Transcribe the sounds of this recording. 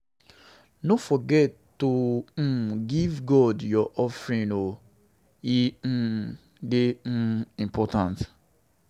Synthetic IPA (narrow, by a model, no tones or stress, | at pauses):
nofɔɡɛtːo | ɡivɡɔdjɔʔɔfɹĩno | i | deĩmpʰɔtãnt